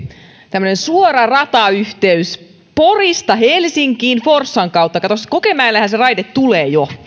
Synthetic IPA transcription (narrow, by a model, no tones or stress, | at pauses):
t̪æmːønensuoɾɑrɑt̪ɑyht̪eys | porist̪ɑɦelsiŋkiːnforsːɑŋkɑwt̪ːɑkɑt̪oskokemæːlːæhænserɑjdet̪t̪ːuleːjo